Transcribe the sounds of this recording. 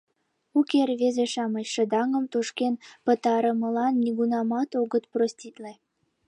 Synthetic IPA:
ukerβezeʃɑmət͡ɕʃə̆d̪ɑŋə̆mt̪oʃkenpət̪ɑɾəməlɑnːiɣunɑmɑt̪oɣət̪prosʲt̪ʲit̪le

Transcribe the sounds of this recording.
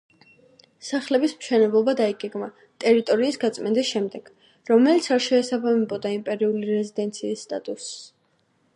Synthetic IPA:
saχlɛbismʃʰɛnɛblˠɔbad̪aiɡɛɡma | t̪ʼɛɾit̪ʼɔɾiːsɡat̪sʼmɛnd̪isʃɛmd̪ɛɡ̥ | ɾɔmɛlit̪sʰaɾʃɛːsabamɛbɔd̪aimpʼɛɾiuliɾɛzid̪ɛnt̪sʰiːsːt̪ʼat̪ʼus

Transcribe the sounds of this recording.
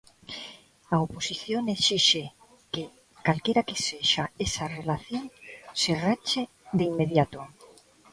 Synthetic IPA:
aoposiθjonesiʃe | ke | kalkeɾakeseʃaesarelaθjoŋserat͡ʃe | ðeimːeðjat̪o

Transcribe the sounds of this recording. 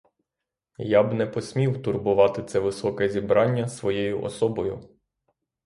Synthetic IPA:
jabnɛpɔsʲmʲiwt̪ʊrbʊʋɑt̪ɪt̪sɛʋɪsɔkɛzʲibɾɑnʲːɐsʋɔjɛjʊʔɔ̰sɔbɔjʊ̰

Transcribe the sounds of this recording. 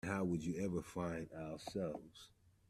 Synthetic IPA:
haʊwəd͡ʒɨɛvə˞fãɪ̃ndaʊə˞sɛlˠvz̥

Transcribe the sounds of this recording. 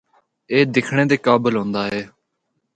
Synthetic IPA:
eːd̪ɪkʰɳ̃ẽːd̪eːkaːbəlɦõːnd̪aːɦɛː

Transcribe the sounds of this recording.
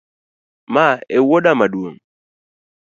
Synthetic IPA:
maewoɗamaɗuoŋ

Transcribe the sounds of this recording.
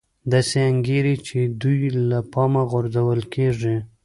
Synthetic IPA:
d̪ɑseaŋɡeɾit͡ʃed̪ujlapɑmaɣʊɾzawəlkʰeʐi

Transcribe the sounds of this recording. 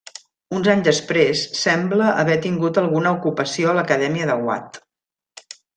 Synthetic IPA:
unzaɲzðəspɾesːɛmbləʔəβɛt̪iŋɡut̪əlˠɣunəukupəsioələkəðɛmiəðəɣwa̰t̪

